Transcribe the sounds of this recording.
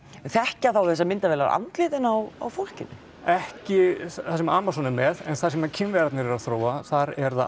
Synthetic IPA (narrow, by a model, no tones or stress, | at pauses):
nθɛhcaθawθɛsːamɪnt̪avɛːla̰ɾa̰nt̪lɪːt̪ɪnawa̰wfɔl̥cɪnːɪ | ɛhcɪθasɛmaaːmasɔnɪmːɛðɛnθasɛmacʰɪmvɛːɾat̪nɪɾɛɾaðθɾoːwaθaɾɛɾða̰